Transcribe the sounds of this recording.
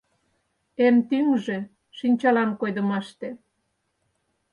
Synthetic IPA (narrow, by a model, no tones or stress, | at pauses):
emt̪yŋʒĕ | ʃinʲt͡ɕɑlɑmkojd̪ə̆mɑʃt̪e